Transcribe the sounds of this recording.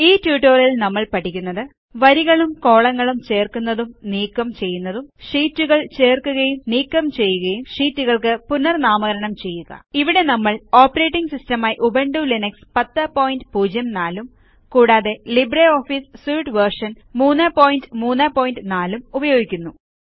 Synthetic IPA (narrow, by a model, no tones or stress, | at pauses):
iːtjuːʈːoːrjilnɐmːɐɭpɐʈʰːikʲːunːɐðɨ | ʋɐɾiɣɐɭumko̞ːɭɐŋːɐɭumt͡ɕe̞ːrkunːɐðumniːkːɐmt͡ɕe̞jːunːɐðumʂiːtːuɣɐɭt͡ɕe̞ːrkːuɣɐjumniːkːɐmt͡ɕe̞jːuɣɐjumʂiːtːuɣɐɭkɨpunːɐrnaːmɐɣɐɾɐɳɐmt͡ɕe̞jːuɣɐ̰iʋiɽe̞nɐmːɐɭo̞ːpːɐre̞ːʈːiŋɡsistɐmaːjiʔubɐɳɖulinɐkspɐt̪ːɐpo̞ːjindɨpuːd͡ʑjɐmnaːlum | kuːɽaːðe̞libreo̞ːfissuːʈʋɐrʂɐn | muːnːɐpo̞ːjindɨmuːnːapo̞ːjindɨnaːlumubɐjo̞ːɡikʲːunːu